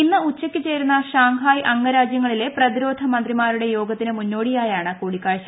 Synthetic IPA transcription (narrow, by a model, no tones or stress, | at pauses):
inːɨut͡ɕːɐkʲːɨt͡ɕe̞ːɾunːɐɕaːŋɡʱaːjʔɐŋːɐɾaːd͡ʑjɐŋːɐɭile̞prɐðiɾo̞ːd̪ʱɐmɐnd̪rimaːɾuɽe̞jo̞ːɡɐt̪ːinɨmunːo̞ːɽijaːjaːɳɨkoːɽikːaːɻiɕɐ